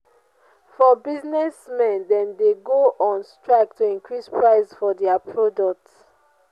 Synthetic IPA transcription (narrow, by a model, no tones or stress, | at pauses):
fɔbiznɛsmɛ̃ndɛ̃ndeɡoʔɔ̃nstɹak̚tʰuĩŋkɹispɹaɪsfɔdɛapʰɹɔdɔk̚t